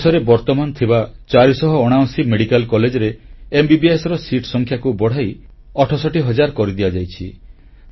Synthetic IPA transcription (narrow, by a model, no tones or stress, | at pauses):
sɔɾebɔɾt̪ɔmant̪ʰibat͡ʃaɾisɔɦɔoɽ̃aw̃simeɽikalkɔled͡ʒɔɾeːmbibiesɔɾɔsiʈʰsɔŋkʰjakubɔɽ̤aj | ɔʈʰɔsɔʈiɦɔd͡ʒaɾkɔɾid̪iad͡ʒajt͡ʃʰi